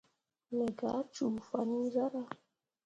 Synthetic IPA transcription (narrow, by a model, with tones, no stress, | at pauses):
lɛ˨ɡa˨˦t͡ʃu˨fa˨ni˦za˦ɾa˦